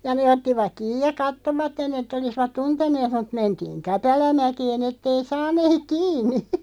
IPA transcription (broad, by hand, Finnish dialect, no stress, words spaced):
jɑ neː otːiʋɑk̆ kiːj jɑ kɑtːoʋɑtːen etːæ olisʋɑt tuntenˑeːt mut mentiːŋ kæpælæmækeːn etːei sɑnˑeːk̆ kiːnˑi